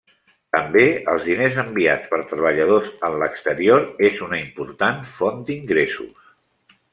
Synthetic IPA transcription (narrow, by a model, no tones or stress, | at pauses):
t̪əmbeə̰lˠzðinezəmbiat͡spəɾt̪ɾəβ̞əʎəð̞osənləkst̪əɾioɾezunəimpuɾt̪anfond̪iŋɡɾesṵs